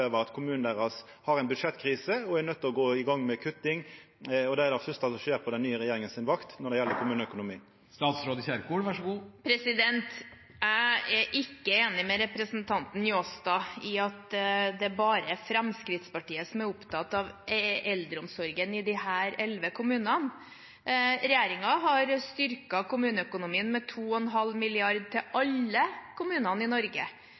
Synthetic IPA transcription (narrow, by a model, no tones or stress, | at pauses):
øːʋəɾɑt̪kʰʊmʉːnn̩æʁɑs | hɑɾɛɪnbʉd̪ʂɛt̪ːkʰɾiːsəɔɛɾnœt̪ːɔɡoːɪɡɑŋːmɛkʰʉt̪ːɪŋ | ɔd̪ɛɾd̪ɛfœst̪ɑsɔʃeːɾpʰɔd̪ɛnːyːəɾɛjeːɾɪŋənsɪnʋɑkt̪nɔɖ̪ɛjɛlːəɾkʰʊmʉːnəœkʊnʊmiː | st̪ɑːt̪sɾoːd̪əçæɾkuːɽʋæʂɡuːpʰɾɛsɪd̪ɛnt̪ | æɪɛɾɪkːəeːnɪmɛɾɛpɾəsnt̪ʰɑnt̪n̩ɪoːst̪ɑɪɑt̪d̪ɛæbɑːɾəɛɾfɾɛmskɾɪt̪spɑʈiːəsɔmæɾʊpt̪ʰɑt̪ɑʋɛld̪ɾəʊmsɔɾɡənɪd̪ɪhæːɾɛlʋəkʰʊmʉːnɑn | ɾɛjeːɾɪŋɑɦɑɾst̪ʏɾkɑkʊmʉːnəœkʊnʊmiːənmɛt̪ʰuːɔɛnɦɑlːmɪlɪɑɾd̪̚t̪ʰɪlʔɑlːəkʰʊmʉːnɑnɪnɔɾɡə